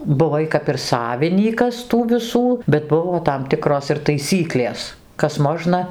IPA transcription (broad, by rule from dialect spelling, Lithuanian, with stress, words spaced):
bʊˈʋɐɪ kɐp ɪr ˈsɑːʋʲɪnʲiːkɐs tuː ʋʲɪˈsuː bʲɛt ˈbʊʋoː tɐm ˈtʲɪkroːs ɪr tɐɪˈsʲiːklʲeːs ˈkɐs ˈmoːʒnɐ